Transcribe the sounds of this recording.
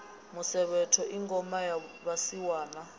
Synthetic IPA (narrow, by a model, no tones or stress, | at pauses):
musɛɓɛtʰɔʔiŋɡʱʼɔmajaɓasiwaːna